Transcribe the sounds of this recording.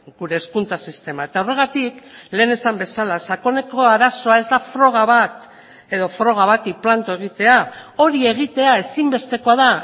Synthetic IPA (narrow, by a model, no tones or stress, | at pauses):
ɡuɾe̞ːskunt͡sasist̪e̞mae̞t̪aore̞ɣ̞at̪ikle̞ːne̞sambe̞salasako̞ne̞ko̞aɾaso̞ae̞zd̪afɾo̞ɣ̞aβat̪ | e̞ð̞o̞fɾo̞ɣ̞aβat̪iplant̪oe̞ɣ̞it̪e̞ao̞ɾie̞ɣ̞it̪e̞ae̞simbe̞st̪e̞ko̞aða